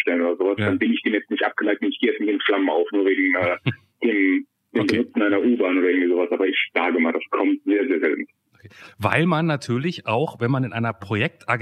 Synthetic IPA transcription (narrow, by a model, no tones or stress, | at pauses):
ʃtɛlənoːdɐzoːvasd̥anbɪnɪçd̥eːnjɛt͡stnɪçtʔa̰p̚ɡ̥əlaɪtɛnɪçɡ̥eːjɛt͡sɪnjeːdn̩flamənaʊfnuːɐveːɡŋ̩ʔɛː | d̥eːm | d̥eːmbənʊt͡sn̩ʔaɪnɐʔuːbaːnʔoːɾɐʔɪɡŋ̩v̥izoːvasʔaːbɐɪçz̥aːɡəmaːldaskʰɔmtz̥eːɐzeːɐzɛ̰ltn̩ | okeva̰ɪlmanːatʰyːɐlɪçʔaʊxvɛnmanɪnʔaɪnɐpʁ̥ojɛk̚tʔaɡ